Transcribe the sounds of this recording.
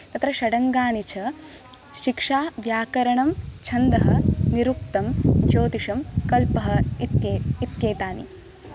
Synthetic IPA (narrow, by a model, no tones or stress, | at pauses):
t̪ɐt̪ɾɐʃɐɽɐŋɡaːnit͡ʃʰɐ | ʃikʂaːʋjaːkɐɾɐɳɐmt͡ʃʰɐnd̪ɐɦɐniɾuk̚t̪ɐmt͡ʃoːt̪iʂɐmkɐlpɐɦɐ̆ | it̪jeːt̪aːnḭ